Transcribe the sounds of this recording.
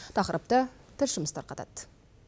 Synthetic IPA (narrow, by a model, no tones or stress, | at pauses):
t̪ʰɑqəɾəp̚t̪ət̪ʰɪsʒʊməst̪ɑ̰ɾqʰɑt̪ɑ̰t̪